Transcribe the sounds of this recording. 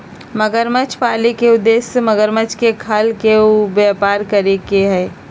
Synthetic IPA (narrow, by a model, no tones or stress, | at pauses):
məɡəɾmət͡ʃʰpaːlikeʊd̪ːesməɡəɾmət͡ʃʰkekʰəlkeubjapaːɾkəɾekeɦɛː